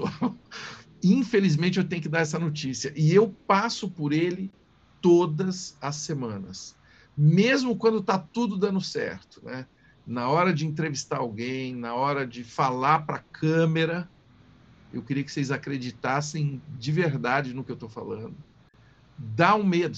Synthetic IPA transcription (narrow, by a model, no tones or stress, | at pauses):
saw | ĩfelizmẽt͡ʃɪewt̪ẽj̃ʊkɪd̪aɾɛs̬ɐnot͡ʃisiɐʔɪewpasʊpʊɾelɪ | t̪od̪ɐzɐsːemɐ̃nɐ̰s | mezmʊkwɐ̃nd̪ʊt̪at̪ud̪ʊd̪ɐ̃nd̪ʊsɛ̰ɾt̪ʊ̥nɛ | nɐɔɾɐd͡ʒɪẽnt̪̬ɾevist̪aɾawɡẽj̃nɐɔɾɐd͡ʒɪfalaɾpɾɐkʰɐ̃meɾɐ | ḛwkɪɾiɐkɪ̥sejzakɾed͡ʒit̪asẽj̃d͡ʒɪveɾd̪ad͡ʒɪnʊkɪewt̪owfa̰lɐ̰̃d̪ʊ | d̪aũmed̪ʊ